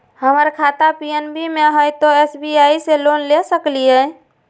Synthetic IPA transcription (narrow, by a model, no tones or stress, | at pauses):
həməɾkʰat̪apienbimeɦəjt̪ɔesbiaiselonlesəklijə